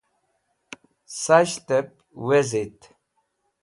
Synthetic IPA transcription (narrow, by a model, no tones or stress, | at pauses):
saʃt̪ɛp̚ | wɛzit̪ʰ